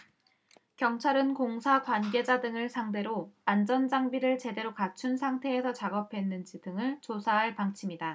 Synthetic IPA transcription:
kjʌŋt͡ɕʰaɾɯnkoŋsʰakwanɡe̞d͡ʑadɯŋɯɭsʰaŋde̞ɾoand͡ʑʌnd͡ʑaŋbiɾɯɭt͡ɕe̞de̞ɾokat͡ɕʰunsʰaŋtʰe̞ːsʰʌt͡ɕaɡʌpʰwe̞nːɯnd͡ʑidɯŋɯɭt͡ɕosʰaɦaɭpaŋt͡ɕʰimida

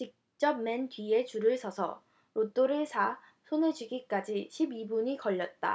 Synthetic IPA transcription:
t͡ɕik̚ | t͡ɕ͈ʌp̚mentɥie̞t͡ɕuɾɯɭsʰʌsʰʌ̰ | ɾot͈oɾɯɭsʰa | sʰonɯɭd͡ʑɥiɡik͈ad͡ʑiɕʰibibuɲikʌʎːʌt̚t͈a̰

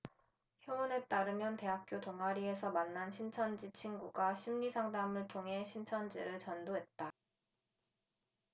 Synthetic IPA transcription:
çjoːne̞t͈aɾɯmjʌnte̞ɦap̚k͈jotoŋɦaɾie̞sʰʌmanːanɕʰint͡ɕʰʌnd͡ʑit͡ɕʰinɡuɡaɕʰimɲisʰaŋdamɯɭtʰoŋɦe̞ɕʰint͡ɕʰʌnd͡ʑḭɾɯɭt͡ɕʌndoɦe̞t̚t͈a

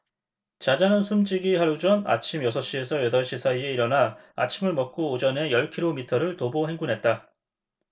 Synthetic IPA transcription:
t͡ɕad͡ʑanɯnsʰumd͡ʑiɡiɦaɾud͡ʑʌna̰t͡ɕʰimjʌsʰʌɕ͈ie̞sʰʌjʌdʌɭɕ͈isʰaie̞iɾʌna | a̰t͡ɕʰimɯɭmʌk̚k͈oːd͡ʑʌne̞jʌɭkʰiɾomitʰʌɾɯɭtoboɦe̞ŋɡunɦe̞t̚t͈a

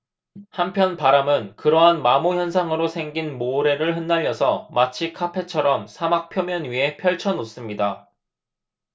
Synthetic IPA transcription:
hampʰjʌnpaɾamɯnkɯɾʌɦanmamoçjʌnsʰaŋɯɾosʰe̞ŋɡinmoɾe̞ɾɯɭɦɯnːaʎːʌsʰʌmat͡ɕʰikʰapʰe̞t͡ɕʰʌɾʌmsʰamak̚pʰjʌmjʌnɥiɦe̞pʰjʌɭt͡ɕʰʌnos͈ɯmɲida

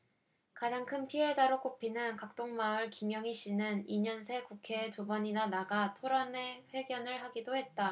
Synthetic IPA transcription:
kad͡ʑaŋkʰɯnpʰiɦe̞d͡ʑaɾok͈opʰinɯnkak̚t͈oŋmaɯɭkimjʌŋiɕʰinɯniɲʌns̬ʰe̞kukʰe̞ːtubʌɲinanaɡatʰoɾane̞ɸwe̞ɡjʌnɯɭɦaɡidohe̞t̚t͈a

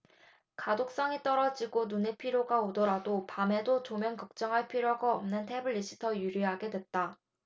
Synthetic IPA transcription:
kadok̚s͈ʌŋit͈ʌɾʌd͡ʑiɡonune̞pʰiɾjoɡaodʌɾadopame̞dot͡ɕomjʌnkʌk̚t͡ɕ͈ʌŋɦaɭpʰiɾjoɡaʌmnɯntʰebɯɭːiɕʰi̥tʰʌjuɾiɦaɡe̞dwe̞t̚t͈a

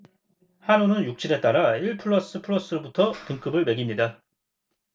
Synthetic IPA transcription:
hanunɯnjuk̚t͡ɕ͈ʰiɾe̞t͈aɾaiɭpʰɯɭːʌs͈ɯpʰɯɭːʌs͈ɯɾobutʰʌtɯŋk͈ɯbɯɭme̞ɡimɲida

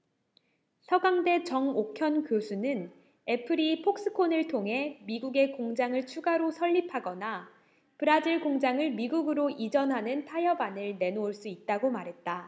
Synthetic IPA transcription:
sʰʌɡaŋde̞t͡ɕʌŋokʰjʌnkjosʰunɯn | e̞pʰɯɾipʰok̚s͈ɯkʰonɯɭtʰoŋɦe̞miɡuɡe̞koŋd͡ʑaŋɯɭt͡ɕʰuɡaɾosʰʌʎːipʰaɡʌna | pɯɾad͡ʑiɭɡoŋd͡ʑaŋɯɭmiɡuɡɯɾoʔid͡ʑʌnɦanɯntʰajʌbanɯɭne̞noːɭs͈uit̚t͈aɡomaɾɦe̞t̚t͈a

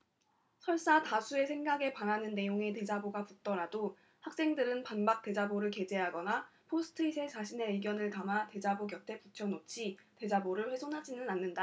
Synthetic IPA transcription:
sʰʌɭs͈atasʰue̞sʰe̞ŋɡaɡe̞pananɯnːe̞joŋe̞te̞d͡ʑaboɡapuk̚t͈ʌɾado | hak̚s͈e̞ŋdɯɾɯnpanbak̚t͈e̞d͡ʑaboɾɯɭke̞d͡ʑe̞ɦaɡʌnapʰosʰɯ̥tʰɯisʰe̞t͡ɕaɕʰine̞ɯɭɡjʌnɯɭkamate̞d͡ʑabokjʌtʰe̞put͡ɕʰjʌnot͡ɕʰite̞d͡ʑaboɾɯɭɸwe̞sʰonɦad͡ʑinɯnanːɯnda

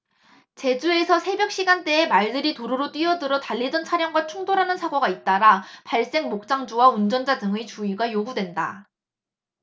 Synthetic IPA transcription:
t͡ɕe̞d͡ʑue̞sʰʌsʰe̞bjʌk̚ɕ͈iɡant͈e̞ːmaɭdɯɾitoɾoɾot͈ɥiʌdɯɾʌtaʎːid͡ʑʌnt͡ɕʰaɾjʌŋɡwat͡ɕʰuŋdoɾɦanɯnsʰaɡʌɡait̚t͈aɾapaɭs͈e̞ŋmok̚t͡ɕ͈aŋd͡ʑuwaund͡ʑʌnd͡ʑadɯŋɯt͡ɕuiɡajoɡudwe̞nda

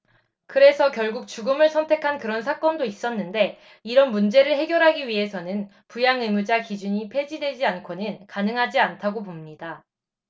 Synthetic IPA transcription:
kɯɾe̞sʰʌkjʌɭɡuk̚t͡ɕuɡɯmɯɭsʰʌntʰe̞kʰankɯɾʌnsʰak͈ʌndois͈ʌnːɯnde̞ | iɾʌnmund͡ʑe̞ɾɯɭɦe̞ɡjʌɾɦaɡiɥiɦe̞sʰʌnɯn | pujaŋɯmud͡ʑakid͡ʑuɲipʰe̞d͡ʑidwe̞d͡ʑiankʰonɯnkanɯŋɦad͡ʑiantʰaɡopomɲida

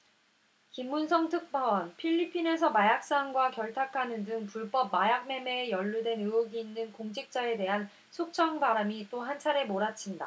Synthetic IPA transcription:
kimːunsʰʌŋtʰɯk̚p͈ʰawʌnpʰiʎːipʰine̞s̬ʰʌmajak̚s͈anɡwakjʌɭtʰakʰanɯndɯŋpuɭp͈ʌp̚majak̚ne̞me̞jʌʎːudwe̞nɯoɡiːnːɯnkoŋd͡ʑʰik̚t͡ɕ͈ae̞de̞ɦan | sʰok̚t͡ɕʰʌŋbaɾamit͈oɦant͡ɕʰaɾe̞moɾat͡ɕʰinda̰

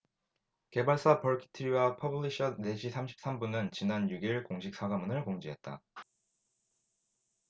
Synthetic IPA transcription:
ke̞baɭs͈apʌɭkʰi̥tʰɯɾiwapʰʌbuɭiɕʰʌne̞ɕʰisʰamɕʰi̥p̚s͈ambunɯnt͡ɕinanjuɡiɭkoŋɕʰik̚s͈ʰaɡamunɯɭkoŋd͡ʑiɦe̞t̚t͈a̰

